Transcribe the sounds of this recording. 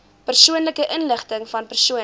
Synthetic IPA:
pərsuənləkəʔənləχtəŋfɐnpərsuə

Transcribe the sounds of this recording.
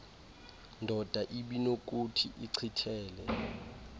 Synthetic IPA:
ndʱɔd̥ʱaʔiɓinok̬utʰḭʔiǀʰitʰɛːlɛ

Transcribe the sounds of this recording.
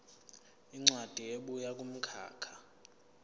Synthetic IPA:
iŋ͡ǀwad̥ʱieɓujak̬ʼum̩kʰa̰ːkʰḁ

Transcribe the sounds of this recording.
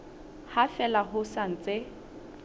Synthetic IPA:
hafɛlaɦʊsan̩t͡sʼe

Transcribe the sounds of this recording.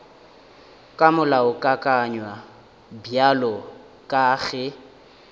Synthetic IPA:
kʼamʊlaʊkʼakʼaɲwa | bjalɔ | kʼaːɣɛ

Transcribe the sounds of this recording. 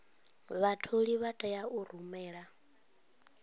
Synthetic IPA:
βatʰoɺiβatʼɛjaʔur̤umɛːɺa

